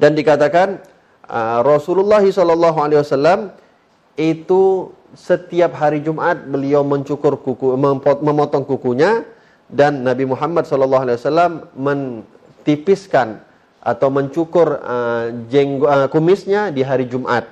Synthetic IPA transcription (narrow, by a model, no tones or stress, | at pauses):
dandikat̪akan | ərɔsululːɑɦisɔlɔlːɑɦualewasalːam | it̪u | sət̪iap̚ɦaɾid͡ʒumʔat̪̚bəliawməɲt͡ʃukʊrkuuməpɔməmɔt̪ɔŋkukuɲa | danːabimuɦamːat̪̚sɔlɔlːɑɦualewasalːamːən | t̪ipɪskan | ʔa̰t̪awməɲt͡ʃukʊrəd͡ʒɛŋɡkumɪsɲadiɦaɾid͡ʒumʔa̰t̪̚